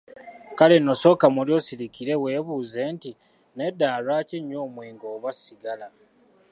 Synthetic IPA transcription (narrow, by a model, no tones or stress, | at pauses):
kalenːo̞so̞kamuljo̞ːsiɾikiɾe̞we̞ːβuːze̞nti | ne̞dːaːlwaːciɲːoːmwiːŋɡoːβwasiɡala